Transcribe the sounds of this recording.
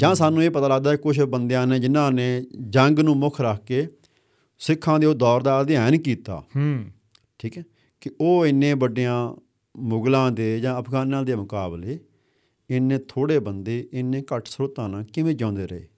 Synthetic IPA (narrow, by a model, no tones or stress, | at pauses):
d͡ʒãːsaːnːũːeːpət̪aːləɡ̚d̪aːɛkʊʃʰbənd̪ejãːneːd͡ʒɪnãːneːd͡ʒəŋɡnũːmʊkʰɾəkʰkeː | sɪkʰːãːd̪eːoːd̪ɔːɾd̪aːəd̪jaːnkiːt̪a̰ː | ʈʰiːkɛː | kɪoːɪnːẽːbəɖejãː | mʊɡlãːd̪eːd͡ʒãːəpʰɡaːnãːd̪eːmʊkaːbleː | ɪnːẽːt̪ʰoːɽeːbənd̪eːʔɪnːẽːkəʈʰsɾoːt̪ãːnãːkɪʋẽːd͡ʒãːnd̪eːɾəḛː